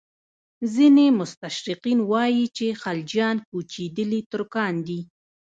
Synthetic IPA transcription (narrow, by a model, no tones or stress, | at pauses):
zinemʊst̪aʃɾɪqinwɑjit͡ʃexald͡ʒɑnkut͡ʃid̪əlit̪ʊɾkɑnd̪i